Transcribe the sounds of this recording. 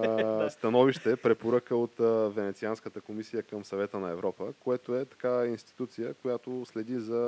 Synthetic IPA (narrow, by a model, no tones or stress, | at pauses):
st̪ɐnɔviʃt̪ɛpɾɛpoɾəkəot̪vɛnɛt̪sianskət̪əkomisijəkəmsɐvɛt̪ənɐɛvɾɔpəkoɛt̪oɛt̪ɐ̥kainst̪i̥t̪ut̪sijəkojat̪oslɛd̪izɐ